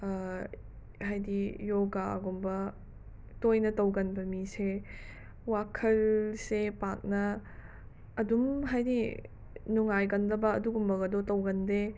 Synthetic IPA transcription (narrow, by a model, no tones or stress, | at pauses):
hajdijoɡaɐ̰ɡombɐ | tojnɐtɐwɡɐnbɐmise | wakʰɐlsepak̚nɐ | dumɦajdi | nuŋajɡɐndɐbɐːduɡumbɐɡɐdotɐwɡɐnde